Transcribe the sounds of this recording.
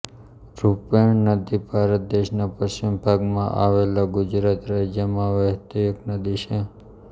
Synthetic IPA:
ɾupeɳnəd̪ibʱaɾət̪̚d̪eʃnapəʃt͡ʃimbʱaɡmã̰ʔa̰ʋelaɡʊd͡ʒɾat̪ɾad͡ʒjəmãʋəɦt̪iəknəd̪it͡ʃʰe

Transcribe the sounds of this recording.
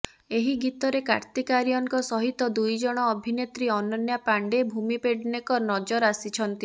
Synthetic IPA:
eɦiɡit̪ɔɾeka̰ɾt̪ikaɾjɔŋkɔsɔɦit̪ɔd̪ujd͡ʒɔɽ̃ɔːbʱinet̪ɾiɔnɔnjapaɳɖebʱumipeɽɖnekɔnɔd͡ʒɔɾasit͡ʃʰɔnt̪i

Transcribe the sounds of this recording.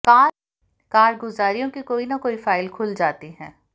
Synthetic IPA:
kaː | kaːɾɡʊzaːɾijõkikoːinɐkoːifaːɪlkʰʊld͡ʒaːt̪iɦɛ̃ː

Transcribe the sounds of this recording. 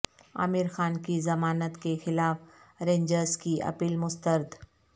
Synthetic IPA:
a̰ːmɪɾxaːnkizɐmaːnət̪kexɪlaːfɾẽːɲd͡ʒəɾskiʔɐ̰piːlmʊst̪əɾd̪

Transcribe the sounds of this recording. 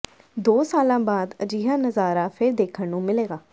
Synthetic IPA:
d̪oːsaːlãːbaːd̪əd͡ʒiːɦaːnəzaːɾaːpʰɪɾd̪eːkʰəɳnũːmɪleːɡaː

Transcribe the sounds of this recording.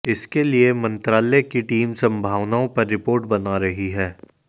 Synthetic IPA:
ɪskeliemɐ̃nt̪ɾaːlɛkiʈiːmsɐ̃mbʱaːʋnaːõpɐɾːɪpoːɾʈbɐnaɾɐɦiɦɛː

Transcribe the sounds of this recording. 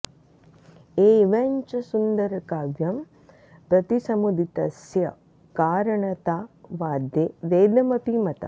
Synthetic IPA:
eːʋɐɲt͡ʃɐsund̪ɐɾɐkaːʋjɐm | pɾɐt̪isɐmud̪ʱit̪ɐsjɐ̰ | kaːɾɐɳɐt̪aːʋaːd̪ʱjeːʋeːd̪ɐmɐpimɐt̪ɐ̰

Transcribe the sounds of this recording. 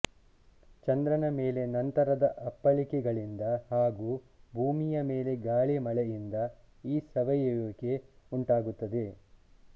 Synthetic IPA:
t͡ʃɐnd̪ɾɐnɐme̞ːle̞nɐnt̪ɐɾɐd̪ɐʔɐpːɐlikɛɡɐɭind̪ɐhaːɡuː | bʱuːmijɐme̞ːle̞ɡaːɭemɐɭɛjind̪ɐ | iːsɐʋɐjoːke̞uɳʈaːɡut̪ːɐd̪e̞

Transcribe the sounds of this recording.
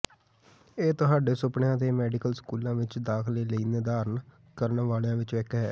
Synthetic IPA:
eːt̪ʊɦaːɖeːsʊpɳejãːt̪eːmɛːɖɪkəlskuːlãːʋɪt͡ʃd̪aːkʰleːləiːneːd̪aːɾən | kəɾnʋaːljãːʋɪt͡ʃʋɛːkɦɛː

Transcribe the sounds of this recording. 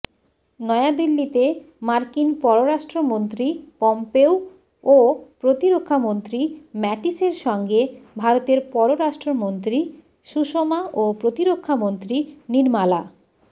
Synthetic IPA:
nɔead̪ilːit̪e | maɾkinpɔɾoɾaʃʈɾomont̪ɾipɔmpew | opɾot̪iɾokʰːamont̪ɾimɛʈiseɾʃɔŋɡebʱaɾot̪eɾpɔɾoɾaʃʈɾomont̪ɾi | ʃuʃomaʔopɾot̪iɾokʰːamont̪ɾiniɾmala

